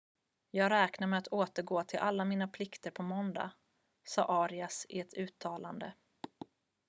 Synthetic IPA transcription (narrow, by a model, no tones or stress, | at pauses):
jɑːɡɾɛːknaɾmɛat̪ʰoːt̪əɾɡoːt̪ʰɪlʔalːamiːnapʰlɪkt̪əɾpʰɔmɔnd̪a̰ | sɑ̰ːʔɑːɾɪasɪɛt̪ʰʉ̟ːt̪ʰːɑːland̪ə̰